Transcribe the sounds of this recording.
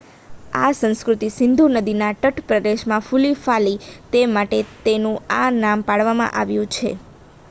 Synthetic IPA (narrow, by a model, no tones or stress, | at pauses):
a̰sə̃nskɾut̪isɪnd̪ʱunəd̪inaʈəʈpɾəd̪eʃmãfulifalit̪emaʈet̪enũanampaɽʋamã̰ʔaʋjũt͡ʃʰḛ